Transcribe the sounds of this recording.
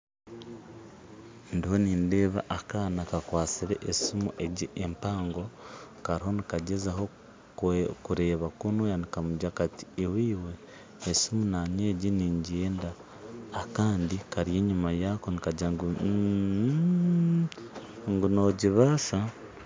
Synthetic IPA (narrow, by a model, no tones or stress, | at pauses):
ndiho̞niːnde̞ːβa̰ʔakaːnakakwaːt͡siɾe̞ʔːsimuʔeɟiʔempaːŋɡo̞kaɾiɦo̞nikaɟezaɦo̞ | kuɾe̞ːβakunwejanikamuɟakati̥iwiːwe̞ː | simunaɲeːɟiniːɲɟieːndaː | kaːndikaɾje̞ːɲumajakonikaɟaŋɡu | ŋɡuno̞ːɟiβaːʃa